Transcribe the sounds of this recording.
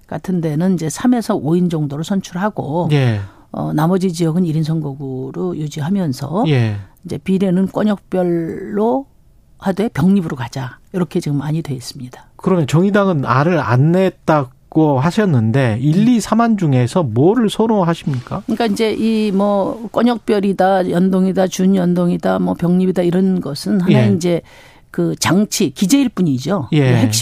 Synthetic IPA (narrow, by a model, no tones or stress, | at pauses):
katʰɯndenɯnind͡ʑe̞sʰame̞sʰʌʔoind͡ʑʌŋdoɾosʰʌnt͡ɕʰuɭhaɡoje | ʌ̰namʌd͡ʑid͡ʑiʌɡɯniɾinsʰʌŋɡoɡuɾojud͡ʑiɦamjʌnsʰʌjeind͡ʑe̞piɾe̞nɯnk͈ʌɲʌk̚p͈jʌɭːo | hadoepjʌŋɲibɯɾokad͡ʑajiɾʌkʰe̞d͡ʑiɡɯmaɲidwe̞is͈ɯmɲid̥akɯɾʌmjʌnt͡ɕʌŋidaŋɯna̰ɾɯɾa̰nːet̚t͈a | ɡ̥ohaɕʰʌnːɯnde̞iɭːisʰamand͡ʑuŋe̞sʰʌmwʌɾɯɭsʰoɾoɦaɕʰimɲik͈akɯɲik͈aind͡ʑe̞ʔimʌk͈ʌɲʌk̚p͈jʌɾidajʌndoŋidat͡ɕuɲjʌndoŋidamʌpjʌŋɲibidaiɾʌnɡʌsʰɯnhaneind͡ʑe̞ | kɯt͡ɕaŋt͡ɕʰikid͡ʑe̞iɭp͈uɲid͡ʑojeɦekɕɕ